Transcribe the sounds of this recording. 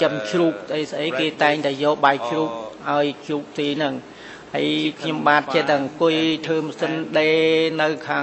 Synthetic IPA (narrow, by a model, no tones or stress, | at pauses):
t͡ɕəmt͡ɕruːk̚sʔəjsʔəjkeːt̪aɛŋt̪aɛjɔːɓaj̚t͡ɕʰruːk̚ʔaɔjt͡ɕruːk̚t̪eːnɨŋ | hə̰jkʰɲomɓaːt̪̚t͡ɕet̪ɛŋkʊ̆əjt̪ʰəːmsɨnɗeːnɨwkʰaː